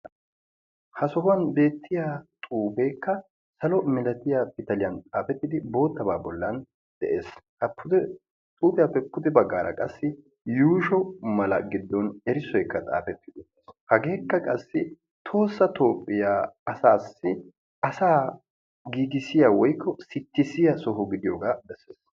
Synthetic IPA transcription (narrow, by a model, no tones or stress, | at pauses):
hɐsɔɦʊɐnbe̞ːt̪ːɪjaːt̪ʼuːbeːkːɐ | sɐlɔmɪlɐt̪ɪjapɪt̪ɐlɪjɐnt͡sʼaːfɛt̪ːɪd̪ɪbo̞ːt̪ːɐbaːbɔlːɐn | d̪̥ɛʔe̞ːshɐpʰːʊd̪ɛ | t̪ʼuːpʼɪjaːpːɛpːʊt̪ɪbɐɡːaːɾɐ̰kʼɐsːɪ | juːʃɔmɐlɐ̰ɡɪd̪ːɔnɛɾɪsɔjkːɐt̪ʼa̰ːfɛt̪ːɪd̪ʊtːeshɐɡe̞ːkːɐkʼɐsːɪ | t̪ʰo̞ːsːɐt̪o̞ːpʼːɪjaːɐsaːsːɪ | ʔɐsaː | ɡiːɡɪsɪjawɔjkːɔsɪt̪ːɪsɪjɐsɔɦʊɡɪd̪ɪjoːɡaːbɛsːeːs